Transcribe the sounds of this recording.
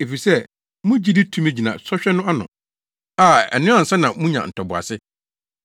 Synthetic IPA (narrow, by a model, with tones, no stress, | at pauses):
e˨fi˨sɛ˦ | mʊ̃˦d͡ʑi˦dɪ˦tʰũ˦me˦˨d͡ʑi˨nã̰˨sɔ˦ɕᶣɛ˦nʊ̃˦a˦nʊ̰̃˨ | a˨ɛ̰˨nɪ̃˦a˨n̩˨sa˦nã˨mũ˦ɲã̰˨n̩˨tʰɔ˨bʊ˨a̰˨sɪ˦